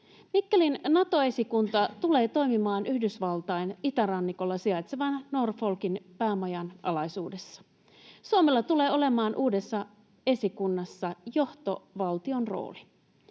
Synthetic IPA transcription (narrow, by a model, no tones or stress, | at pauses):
mikːelinnɑt̪o̞e̞sikunt̪ɑt̪ule̞ːt̪o̞jmimɑːnʔyhdysʋɑlt̪ɑjnit̪æɾɑnːiko̞lːɑsiɑjt̪seʋɑnːorfo̞lkinpæːmɑjɑnʔɑ̰lɑjsuːde̞sːɑ̥ | suomelːɑt̪ule̞ːo̞le̞mɑːnʔuːde̞sːɑ | e̞sikunːɑsːɑjo̞ht̪o̞ʋɑlt̪io̞nro̞̰ːli